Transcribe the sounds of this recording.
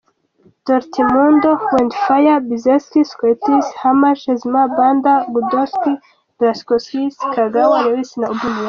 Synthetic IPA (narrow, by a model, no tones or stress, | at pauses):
d̪̥ɔɾt̪ʰimund̪oxwend̪fajabizeskiskɔet̪ishamaʃezmaband̪aɡud̪ɔski | d̥̪ɾaskɔsiskaɡawaɾewisinaubuli